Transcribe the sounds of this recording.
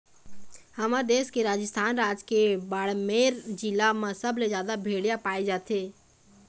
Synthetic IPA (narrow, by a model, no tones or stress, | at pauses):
həmad̪eːskeɾaːd͡ʒəst̪ʰaːnɾaːd͡ʒkebaːɽmeːɾd͡ʒɪlamãsəbled͡ʒjaːd̪abʱeːɽjapaːed͡ʒaːt̪ʰeː